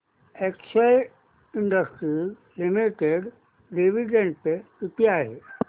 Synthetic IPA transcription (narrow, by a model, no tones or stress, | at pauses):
eksaj | iɳɖəsʈɾi | limiʈeɽ | ɖiʋiɖẽɳɖpeit̪iaɦe